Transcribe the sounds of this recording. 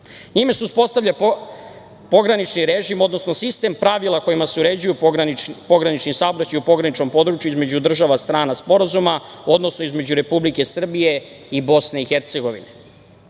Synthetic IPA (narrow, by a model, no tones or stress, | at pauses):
ɲime̞seuspo̞st̪aʋʎa | po̞ɡɾanit͡ʃniɾeʒimo̞d̪nosno̞sist̪e̞mpɾaʋilako̞jimaseuɾe̞d͡ʑujupo̞ɡɾanit͡ʃnimsaobɾat͡ɕajupo̞ɡɾanit͡ʃno̞mpo̞d̪ɾut͡ʃjuizme̞d͡ʑud̪r̩ʒaʋast̪ɾaːnaspo̞ɾazumao̞d̪no̞sno̞izme̞d͡ʑuɾe̞publike̞sr̩bije̞ | ibo̞sne̞ixeɾt̪se̞ɡo̞ʋḭne̞